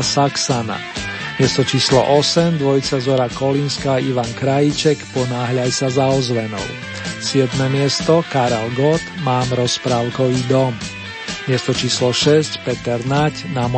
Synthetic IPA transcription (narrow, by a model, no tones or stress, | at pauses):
saksana̰ | mɪɛst̪ɔt͡ʃiːslɔ̰ʔɔsɛmd̪ʋɔjt͡sazɔɾakɔlinskaːiʋaŋkɾajit͡ʃɛkpɔnaːɦʎajsazaɔzʋɛnɔ̰ʊ | sɪɛd̪mɛmɪɛst̪ɔkaɾɛlɡɔt̪maːmɾɔspɾaːʊkɔʋiːd̪ɔm | mɪɛst̪ɔt͡ʃiːslɔʃɛscpɛt̪ɛɾnacnam